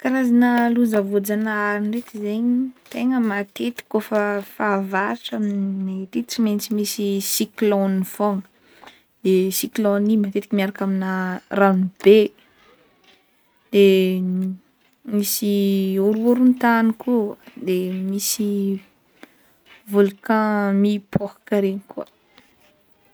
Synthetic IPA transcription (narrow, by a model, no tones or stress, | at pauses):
kaɾazanəluzəvod͡zanaaɾinret̪izeɲit̪eŋəmat̪et̪i̥kofəfavaɾiʈ͡ʂaminnet̪it͡siment͡simisisiklɔnifoŋə | d̪̥esiklɔnimat̪et̪ikimiaɾakaminaranib̥e | d̪̥e | misiuɾuɾunt̪anikud̪emisi | vulukãmipʰokḁkaɾeɲiku